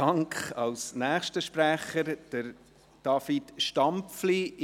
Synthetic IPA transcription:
ɑŋkχɑwsnæːχʃtəʃpɾæχəɾd̥əɾ | d̥ɑːfitʃtɑmpfli

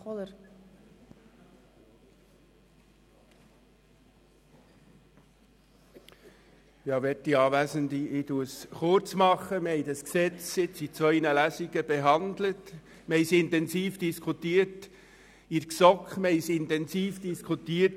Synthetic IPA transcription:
ɔlə | jɑːʋɛtːiɑːʋæɪzəndiɪtuəsχʊɾt͡smɑχəməhɛɪdɑsksɛt͡sɪt͡sit͡sʋœʏnəlæsiɡəbeɦɑndlət | məhɛɪsɪntɛnsiːfd̥iskʰutiːəɾt | iksɔkχməhɪsɪntɛnsiːfd̥iskʰutiːət

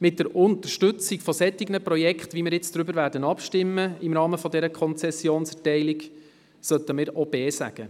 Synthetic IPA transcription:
mɪt̚d̥əɾʊnt̪əɾʃtʏt͡sɪɡfɔsɛt̪ːɪɡnəprɔjɛkχt̪ʋimɪːɾjɪt͡sd̥ɾʏbəɾʋæɾdənɑpʃtɪmːəɪmɾɑːməfɔdɛɾəkʰɔnt͡sɛsjoːnsɛtɛɪlɪɡ | sœt̪əmɪːɾɔbɛːsæ̰ɡ̥ə

